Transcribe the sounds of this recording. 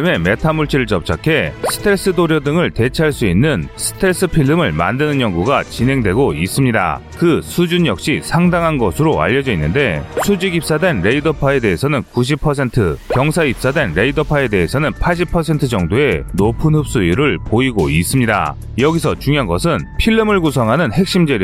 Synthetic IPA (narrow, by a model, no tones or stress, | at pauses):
me̞me̞tʰamuɭt͡ɕʰiɾɯɭt͡ɕʌp̚t͡ɕ͈ʰakʰe̞sʰɯ̥tʰeɭs͈ɯdoɾjʌdɯŋɯɭte̞t͡ɕʰaaɭs͈uinːɯnsʰɯ̥tʰe̞ɭs͈ɯpʰiɭːɯmɯɭma̰ndɯnɯnjʌŋɡuɡat͡ɕinɦe̞ŋdwe̞ɡois͈ɯmɲida̰ | kɯsʰud͡ʑuɲjʌk̚ɕ͈isʰaŋdaŋɦanɡʌsʰɯɾoa̰ʎːʌd͡ʑʌinːɯnde̞sʰud͡ʑiɡip̚s͈adwe̞nɾe̞idʌpʰae̞de̞ɦesʰʌnɯnkuɕ̬ʰipʰʌs̬ʰe̞ntʰɯkjʌŋsʰaip̚s͈adwe̞nɾe̞idʌpʰae̞de̞esʰʌnɯnpʰaɭɕ̬ʰipʰʌs̬ʰe̞ntʰɯd͡ʑʌŋdoe̞nopʰɯnhɯp̚s͈uiɾɯɭpoiɡois͈ɯmɲida̰ | jʌɡisʰʌt͡ɕuŋiɦanɡʌsʰɯnpʰiɭːɯmɯɭɡusʰʌŋɦanɯnhe̞k̚ɕ͈imd͡ʑeɾ